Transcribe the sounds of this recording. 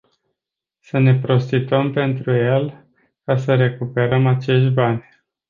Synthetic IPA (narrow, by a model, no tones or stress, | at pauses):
səne̞pɾo̞st̪it̪əmpe̞nt̪ɾuje̞l | kasəɾe̞kupe̞ɾəmat͡ʃe̞ʃt̪ʲbanʲ